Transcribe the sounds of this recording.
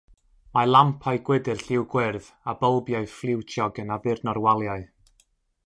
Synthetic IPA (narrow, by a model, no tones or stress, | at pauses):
malˠampʰaɨɡ̥wɪdɨrɬɪwɡwɪrð | abəlˠbjaɨflˠɪwt͡ʃʰjɔɡənavɨrnɔrwalˠjaɨ